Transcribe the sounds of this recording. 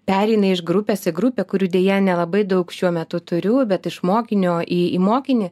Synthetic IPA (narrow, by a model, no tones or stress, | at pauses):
pʲæːɾʲɛɪnɐɪʃɡɾʊpʲeːsɪɡɾʊpʲeːkʊɾʲuːdʲeːjɛnʲɛlˠɐbɐɪd̪ɐʊkʃʲuɔmʲɛt̪ʊt̪ʊɾʲʊbʲɛt̪ɪʃmoːkʲɪnʲoːʔiːimoːkʲɪnʲɪ